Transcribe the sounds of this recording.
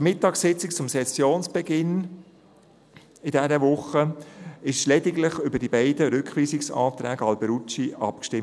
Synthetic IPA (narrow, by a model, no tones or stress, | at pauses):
mɪtɑːksɪt͡sɪkt͡sʊmsɛsjoːnsb̥ɛɡɪn | ɪdɛɾəʋʊχəɪʃlɛdɪɡlɪχʏbəd̥ibæɪdəɾʏkχʋiːsɪksɑ̰ːt̪ɾæːɡəɑlbɛɾut͡ʃiʔɑ̰p̚kʃtɪm